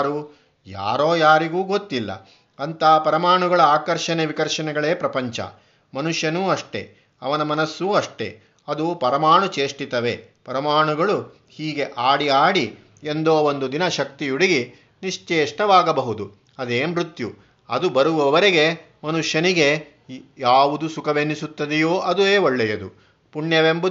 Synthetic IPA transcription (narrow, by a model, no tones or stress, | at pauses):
ɾu | ja̰ːɾoːjaːɾiɡuːɡot̪ːilːɐ̰ | ɐnt̪ɐːpɐɾɐmaːɳuɡɐɭɐaːkɐɾʃɐneʋikɐɾʃɐnɛɡɐɭe̞ːpɾɐpɐɲt͡ʃɐ̰ | mɐnuʂjɐnuːɐʂʈe̞̰ | ɐ̰ʋɐnɐmɐnɐsːuɐʂʈe̞̰ | ɐd̪upɐɾɐmaːɳut͡ʃeːʂʈit̪ɐʋe̞ | pɐɾɐmaːɳuɡɐɭu | hiːɡe̞ʔaːɽiaːɽi | end̪oːond̪ud̪inɐʃɐk̚t̪ijuɽiɡi | niʂt͡ʃeːʂʈɐʋaːɡɐbɐɦud̪u | ɐd̪eːmɾut̪ju | ɐ̰d̪ubɐɾuʋɐʋɐɾeɡe̞ | mɐnuʂjɐniɡe | jaːʋud̪usukɐʋenːisut̪ːɐd̪ɛjoːʔɐd̪uʋeːoɭːɛjɐd̪ṵ | puɳjɐʋembu